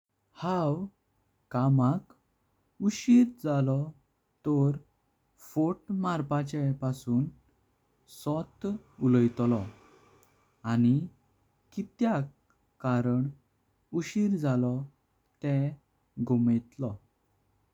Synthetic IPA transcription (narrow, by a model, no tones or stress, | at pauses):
hãw | kamak | uɕiɾd͡zalɔ | t̪ɔɾ | foʈmaɾpat͡ɕɛpasuːn | sɔt̪uləjt̪lɔ | ani | kit̪jakː | aɾəɳ | uɕiɾd͡zalɔ | t̪ɛ̃ | ɡumət̪lɔ